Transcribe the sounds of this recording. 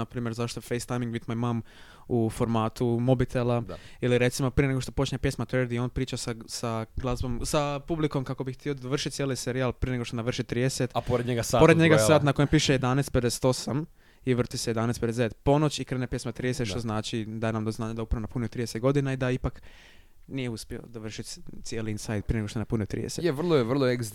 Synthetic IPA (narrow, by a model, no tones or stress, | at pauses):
apɾiːmjeɾzaʃt̪ofejst̪ajmiŋɡbit̪mojmam | ufo̞ɾmaːt̪umobit̪ʰelˠailiɾe̞t̪simo̞pɾijeneɡo̞ʃt̪o̞po̞t͡ʃɲepjesmat̪ʋəɾd̪io̞ːnpɾiːt͡ʃasasaɡlˠazbo̞msapubliko̞mkako̞bixt̪io̞d̪ad̪oʋr̩ʃit̪sjeliseɾialˠpɾijeneɡo̞ʃt̪onaʋr̩ʃit̪ɾiːd̪eset̪poɾed̪ɲeɡaaːpoɾed̪ɲe̞ɡasaːt̪nako̞jempiːʃejed̪anest̪ped̪ese̥t̪o̞sam | iʋr̩t̪isejed̪anesped̪ezd̪eet̪po̞no̞t͡ɕikɾe̞ːnepje̞smat̪ɾiːd̪eset̪ʃt̪oznaːt͡ʃid̪aːjenamd̪oznaːɲad̪aupɾaʋonapuniot̪ɾid̪eset̪̚ɡod̪inaid̪aipak | nijeuspjieo̞̰d̪aʋrʃit̪t̪sjeliinsajd̪̚pɾieneɡʂt̪oenapuniot̪ːɾḭd̪eseteʋrlˠoeʋr̩lˠoeɡz